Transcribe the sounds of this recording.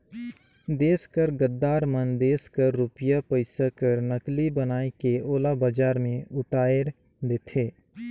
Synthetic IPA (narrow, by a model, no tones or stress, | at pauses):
d̪eːskəɾɡəd̪ːaːɾmənd̪eːskəɾːʊpjapəɪsakəɾnəklibənaːekeoːlabad͡ʒaːɾmẽʊt̪aːeɾ | d̪eːt̪ʰeː